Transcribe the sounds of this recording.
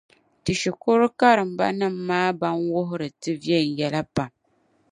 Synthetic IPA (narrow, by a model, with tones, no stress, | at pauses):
tɨ˨ʃi˨ko˦ɾʊ˦ka˦ɾɨ˨m̩˨ba̰˦nɨ˦˨m̩ː˦aː˦ba˦nwʊ˦ɦʊ˦ɾɨ˨tɨ˦vjɛ˦˨n̩˨jɛ˦la˦pa˨m